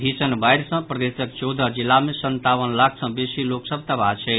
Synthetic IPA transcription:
bʱisənbajɾsə̃pɾəd̪esək̚t͡ʃɔwd̪ʱəd͡ʒilːamesənt̪aʋənlakʰsə̃besiloksəb̚t̪əbat͡ʃʰɛ

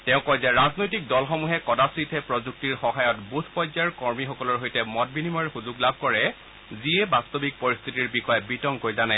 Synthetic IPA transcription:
tɛʊ̃kɔjzɛɹaznojtik̚dɔlxɔmuɦɛkɔdasɹitʰɛpɹozuk̚tiɹxɔɦajɔtbutʰpɔjzaɹkɔɹmixɔkɔlɔɹɦojtɛmɔt̚binimɔjxuzuɡlabʱkɔɹɛ | ziɛbastobik̚pɔɹist̪ʰitiɹbixɔjɛbitɔŋkojzanɛ

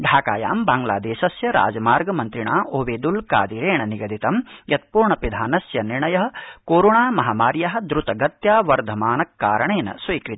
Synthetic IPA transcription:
ɖʱaːka̰ːja̰ːmbaːŋɡla̰ːd̪eːʃɐsjɐɾa̰ːd͡ʒɐmaːɾɡɐmɐnt̪ɾiɳa̰ːʔoːʋeːd̪ulka̰ːd̪iɾeːɳɐniɡɐd̪ʱit̪ɐmjɐt̪̚puːɾɳɐpid̪ʱaːnɐsjɐniɾɳɐjɐɦɐ̆koːɾoːɳaːmɐɦaːmaːɾjaɦɐ̆d̪ɾut̪ɐɡɐt̪jaːʋɐɾd̪ʱɐmaːnɐkːaːɾɐɳeːnɐ̰sʋɐːkɾit̪

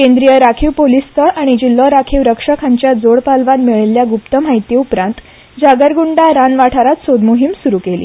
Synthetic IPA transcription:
kẽnd̪ɾijəɾakʰiʋpolist̪əʔaɽ̃id͡ʑilːəɾakʰiʋɾəkʂəkʰãɲt͡ɕjad͡zoɽpalʋat̪miɭeljaɡupt̪əm̤aɦit̪iupɾãnt̪ | d͡ʑaɡəɾɡuɳɖaɾanʋaʈʰaɾat̪sod̪muɦimsuɾuːkelḭː

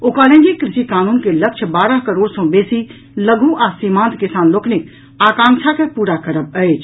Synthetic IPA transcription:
oːkalə̃ŋɡikɾɪʃikaːnuːnkeləkʃʰbaːɾəɦkəɾoːɽsɔ̃beːsi | ləɡʱũʔasimãːnt̪kɪsaːnloːknɪk | aːkãːŋkʃʰakepuːɾakəɾəb̚əet͡ʃ

